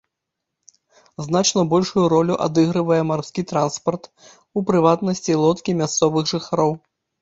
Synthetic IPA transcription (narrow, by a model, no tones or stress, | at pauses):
znat͡ʂnɐbɔlʲʂujuɾɔlʲuʔa̰d̪ɨɣɾɨvɐjɛmarskʲit̪ɾanspɐrt̪ | upɾɨvat̪nɐsʲt͡sʲilˠɔt̪kʲimʲast̪sɔvɨɣʐɨxaɾɔw